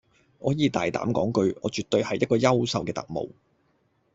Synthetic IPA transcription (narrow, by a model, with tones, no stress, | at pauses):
ʔɔː˨˥jiː˨˧t̪a̰ː˨jt̪a̰ː˨˥mkɔ̰ː˨˥ŋkɵ˧ɥʔɔː˨˧t͡ʃyː˨t̚t̪ːɵ˧ɥhɐ˨jːɐ˥t̚kɔː˧jɐ˥wsɐ˨wkɛː˧t̪ɐ̰˨k̚mo̰˨˧w